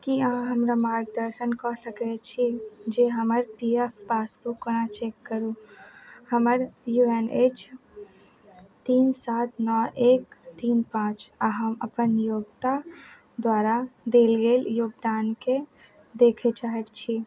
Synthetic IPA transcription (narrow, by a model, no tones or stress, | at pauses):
kiaɦãɦəmɾamaɾk̚d̪əɾsənkɔsəkɛt͡ʃʰid͡ʒeɦəməɾpiepʰpasbukːonat͡ʃekːəɾũ | həməɾjuenet͡ʃ | t̪iːnsat̪nɔekt̪inpãt͡ʃaɦəməpənjoɡt̪a | d̪waɾad̪elɡeljoːɡd̪anke | d̪ekʰɛt͡ʃaɦekt͡ʃʰi